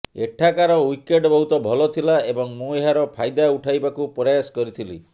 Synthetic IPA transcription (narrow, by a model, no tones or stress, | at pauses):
ḛʈʰakaɾɔwikeɖbɔɦut̪ɔbʱɔlɔt̪ʰilaebɔŋmũeɦaɾɔpʰajd̪auʈʰajbakupɔɾajaskɔɾit̪ʰilḭ